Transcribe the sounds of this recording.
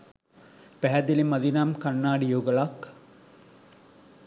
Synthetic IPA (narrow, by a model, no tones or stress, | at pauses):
pæɦæd̪ilimɐd̪inamkanːaːɖijoːɡəlak